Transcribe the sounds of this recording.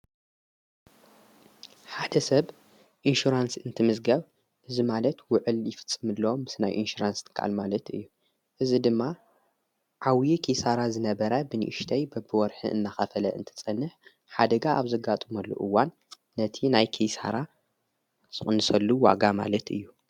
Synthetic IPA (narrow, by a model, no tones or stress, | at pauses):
ħad̪ɐsɐβ | ʔinʃuɾansɨnt̪ʰɨmɨzɡɐβ | ʔɨzimalɐt̪wʊʕɨljɪfɨ̥t͡sʼːɨmɨlːɐomːɨsnajʔinʃuɾanst̪ʰɨ̥kʰːaʔa̰lmalɐt̪ɨ̰jːu | ʔɨzid̪ɨmːa | ʕawjikʰisaɾazɨnɐβɐɾɐbɨniʔɨʃt̪ʰɐjbɐbɨwɔɾħɨ̰ʔɨ̰nːaxɐfɐlɐʔɨ̰nt̪ʰɐ̥t͡sʼɐnːɨħ | ħad̪ɐɡaʔaβzɐɡat̪ʼɨmɐlːṵʔɨwːanː | ɐt̪ʰinajkʰisa̰ɾa | z̥ɨχʼɨnɨsɐlːuwa̰ɡama̰lɐt̪ɨ̰jːu